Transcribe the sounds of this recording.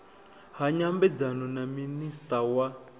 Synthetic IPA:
ɦaɲambɛd͡zanɔnaministʼawa

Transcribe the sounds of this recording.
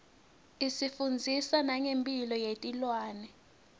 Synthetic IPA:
isifund͡zʱisanaŋempʼilɔjetʼilwaːnɛ

